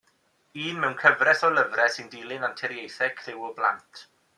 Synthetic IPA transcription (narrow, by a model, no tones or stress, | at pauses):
iːnmɛwnkʰəvrɛsɔləvrɛsɪndiːlˠɪnantʰɛɾjejθɛkʰrɪwʊblˠa̰ntʰ